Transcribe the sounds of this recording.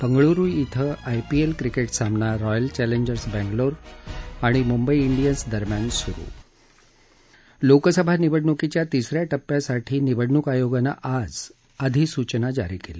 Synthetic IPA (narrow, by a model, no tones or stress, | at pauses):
bəŋɡɭuɾujit̪ʰəajpielkɾikeʈsambnaɾɔjəlt͡ɕæleɲd͡ʑəɾsbæ̃ŋɡloɾaɽ̃imumbəiːɳɖijənsd̪əɾmjansuɾṵː | lokəsəbʱaniʋəɽɳukit͡ɕjat̪isɾjaʈəpːjasaʈʰiːniʋəɽɳukajoɡana̰ʔad͡z | əd̪ʱiːsut͡ɕnad͡za̰ɾikele